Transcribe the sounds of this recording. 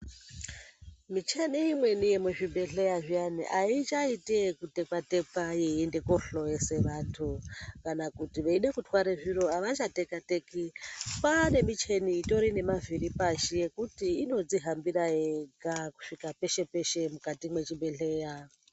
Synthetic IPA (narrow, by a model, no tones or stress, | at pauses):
mit͡ʃeneimwe̞nijemweʐiɓe̞ɬe̞jaʐianḭʔait͡ʃaitekute̞kwate̞pajeende̞ko̞ɬo̞jeseʋatʰukanakutiʋeiɗekutwaɾeʐiɾo̞aʋat͡ʃatekate̞kipane̞mit͡ʃe̞niːto̞ɾine̞maviɾipaʃije̞kutiːno̞d͡ziɦambiɾajeɡaku̥ʂikape̞ʃe̞pe̞ʃe̞mukatimwe̞t͡ʃiɓe̞ɬe̞ja